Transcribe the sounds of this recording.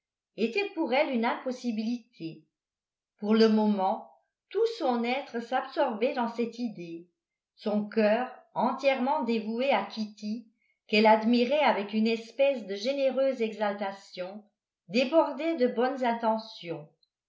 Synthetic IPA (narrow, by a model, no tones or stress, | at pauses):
et̪ɛpuʁɛlynɛ̃pɔsibilit̪ʰe | puʁləmɔmɑ̃ | t̪usɔ̃nɛt̪χəsapsɔʁbɛd̪ɑ̃sɛt̪id̪e | sɔ̃kœːʁɑ̃t̪jɛʁmɑ̃d̪evueakʲit̪i | kɛlad̪miʁɛavɛkynɛspɛsd̪əʒeneʁøzɛɡzalt̪asjɔ̃ | d̪ebɔʁd̪ɛd̪əbɔnzɛ̃t̪ɑ̃sjɔ̃